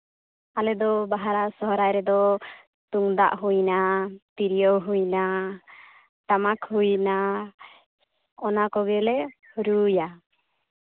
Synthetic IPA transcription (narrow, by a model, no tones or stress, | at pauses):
alɛd̪ɔbaɦaɾasɔɦɾajɾɛd̪ɔ | t̪uŋd̪a̰ʔɦujnat̪iɾijɔwɦujna | ʈ̪amakhujna | ɔnakɔɡɛlɛ | hɾuja